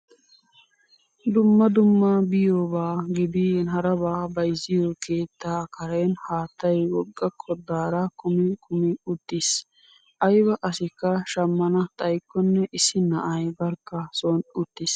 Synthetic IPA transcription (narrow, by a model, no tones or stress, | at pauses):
d̪ʊmːɐd̪ʊmːɐbɪjoːbaːɡɪd̪ɪnɦɐɾɐbaːbɐjzːɪjokʰe̞ːt̪ːaːkʰɐɾɛnhaːt̪ːɐjwɔɡʼːɐkʰːɔd̪aːɾɐkʊmɪkʰʼʊmɪʊt̪ːɪs | ʔɐjbɐʔɐsɪkːɐʃɐmːɐnɐt̪ʼɐjkːɔnːɛʔɪsːɪnɐʔɐjbɐɾkːɐsoːnʊt̪ːɪs